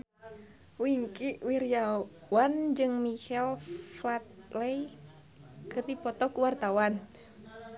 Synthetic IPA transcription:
wiŋkiʔwiɾijawand͡ʒɨŋmihɛlflat̪̚lɛj | kɨrdipɔt̪ɔkuwart̪awan

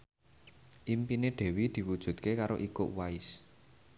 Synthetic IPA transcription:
ʔimpineɖ̪̥ɛ̤wid̪̥i̤wud̥ʒ̥ṳt̪̚kekaɾoʔiko̰ʔwais

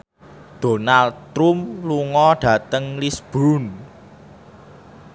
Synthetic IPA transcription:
d̪̥o̤nalt̪ɾumluŋɔɖ̥ä̤t̪əŋlisb̥ɾun

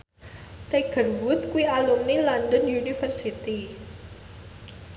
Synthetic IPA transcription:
t̪eɡ̥ə̤rwʊt̪̚kuwialumnilɔndənjunifərsit̪i

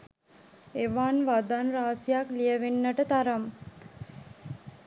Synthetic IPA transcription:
eʋaːnʋad̪anɾaːsijaklijəʋenːaʈət̪aɾam

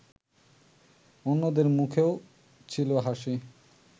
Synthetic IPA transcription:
onːod̪eɾmukʰeo | t͡ɕʰiloɦaʃi

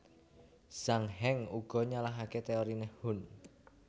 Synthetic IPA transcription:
saŋɦɛŋuɡ̥ɔ̤ɲalaɦaket̪eoɾinehhʊn

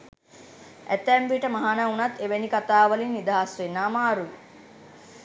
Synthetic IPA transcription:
ʔæ̰t̪ɛmbiːʈəmaɦanəunat̪ːeʋenikat̪aːʋəlinːid̪aɦasʋenːaːmaːɾuʋi

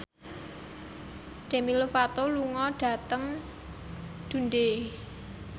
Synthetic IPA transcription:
d̪̥e̤milofat̪oluŋɔɖ̥ä̤t̪əŋ | d̪̥ṳnɖe

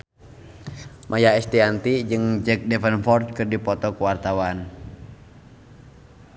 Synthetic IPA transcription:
mʔajaɛst̪iant̪id͡ʒɨŋd͡ʒɛk̚dɛfənfɔrt̪̚kɨrdipɔt̪ɔkuwart̪awan

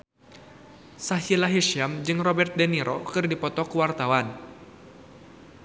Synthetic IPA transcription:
saɦilaɦiʃiamd͡ʒɨŋrɔbɛrt̪̚dɛniɾʔɔkɨrdipɔt̪ɔkuwart̪awan

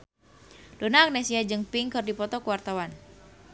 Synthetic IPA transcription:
donaːk̚nesiad͡ʒɨŋpiŋkɨrdipɔt̪ɔkəwart̪awan

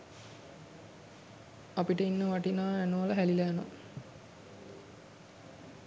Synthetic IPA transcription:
apiʈəinːəʋaʈinaːænuʋələɦælilæno̰

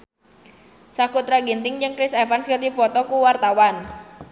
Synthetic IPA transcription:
sakut̪ɾaɡint̪ɪŋd͡ʒəŋkɾɪsɛfanskərd̪ifɔt̪ɔkuwart̪awan

